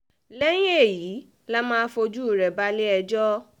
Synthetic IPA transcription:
lɛ˦j̃ĩ˦e˦˨jiː˨˦ | la˦mãː˦fo˧d͡ʒu˦˨ɾɛ˨ba˦le˦ɛ˧d͡ʒɔ˦

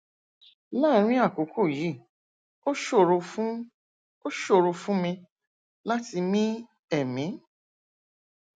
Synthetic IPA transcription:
la˦˨˦ɾ̃ĩ˦a˦˨ko˨˦kʰo˦˨ji˨˦˨ | o˦ʃo˦˨ɾo˧fũ˦ | o˦ʃo˦˨ɾo˧fũ˦mĩ˧ | la˦ti˧mĩ˦ | ɛ˦˨mĩ˨˦

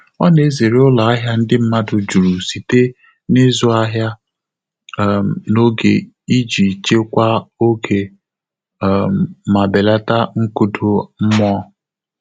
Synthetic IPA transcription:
ɔ˦ne˨˦ze˨ɾe˦ʊ˦la˨a˦ɦja˦n̩˦dɪ˦m̩˦ma˦dʊ˨d͡ʒu˨ɾu˨si˨te˦ | ne˦zʊ˦a˦ɦja˦˨ | no˦ɡe˨ | i˦d͡ʒi˨t͡ʃe˦kʷa˦o˦kʰe˨ | ma˨be˨la˦ta˦ŋ̩˦ku˦tʊ˦m̩˦m˦ɔ˦

